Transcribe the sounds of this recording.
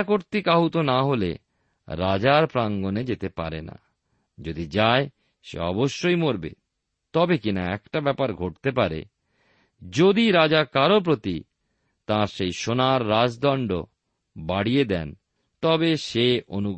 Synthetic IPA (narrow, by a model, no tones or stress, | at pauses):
koɾt̪ikaɦut̪onaɦolḛ | ɾad͡ʑaɾpɾaŋɡoned͡ʑet̪epaɾena̰ | d͡ʑod̪id͡ʑae | ʃḛɔ̰boʃːojmoɾbḛ | t̪ɔbekina̰ɛ̰kʈabɛpaɾɡʱoʈ̚t̪epaɾḛ | d͡ʑod̪iɾad͡ʑakaɾop̬ɾot̪i | t̪aɾʃejʃonaɾːad͡ʑd̪ɔɳɖo | baɽied̪ɛ̰n | t̪ɔbeʃeʔonu